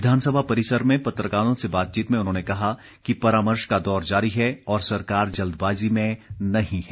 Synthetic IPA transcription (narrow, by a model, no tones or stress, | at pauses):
ʋɪd̪ʱaːnsəbʱapɐɾɪsəɾmẽpɐt̪ɾəkaːnõsebaːt̪̚t͡ʃiːt̪mẽʊnɦõːnekɐɦa | kipɐɾaːməɾʃkad̪ɔːɾd͡ʒaːɾiɦɛɔːɾsɐɾkaːɾd͡ʒɐld̪baːzimẽnɐɦĩɦɛː